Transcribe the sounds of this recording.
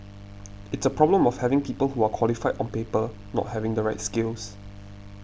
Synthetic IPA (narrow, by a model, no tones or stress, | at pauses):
ɪtsəpʰɹɔblə̃mɔfhɛvɪ̃ŋpiːpəlhuakʰw̥ɔlifaɪdɔ̃npepə | nɔ̰t̚hɛvɪ̃ŋdəɹaɪt̚skɪls